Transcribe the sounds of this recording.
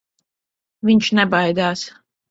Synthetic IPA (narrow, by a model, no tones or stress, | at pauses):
vʲiɲʲt͡ʃnɛbajd̪aːs